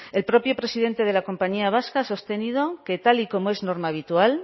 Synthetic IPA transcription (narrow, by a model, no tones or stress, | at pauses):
e̞lpɾo̞pjo̞pɾe̞siðe̞nt̪e̞ðe̞lako̞mpaɲiaβ̞askaaso̞st̪e̞nið̞oke̞t̪aliko̞moe̞zno̞ɾmaːβ̞it̪ual